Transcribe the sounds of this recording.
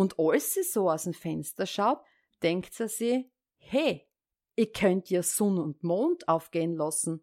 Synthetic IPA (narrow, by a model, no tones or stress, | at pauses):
ʊndɔlsːisoːaʊsemfɛnstɐʃaʊt̚ | d̥ɛŋktsisiː | hɛ | ʔikʰːœntːɐsɔnʊntmoːndaʊfɡ̥eːənlasn̩